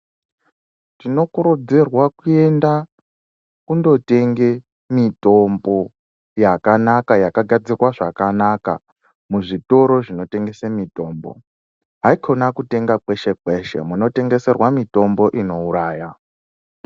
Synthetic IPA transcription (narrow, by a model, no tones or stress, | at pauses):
tino̞kuɾud͡zirwakue̞nda | kundo̞te̞ŋɡe̞ | mito̞mbo̞ | jakanakajakaɡʱad͡zirwaʐakanaka̰ | muʐito̞ɾo̞ʐino̞te̞ŋɡe̞semito̞ːmbo̞̰ | ɦaikʰo̞nakute̞ŋɡak͡pe̞ʃek͡peʃḛmuno̞te̞ŋɡe̞se̞rwamito̞mbo̞ʔino̞uɾaːja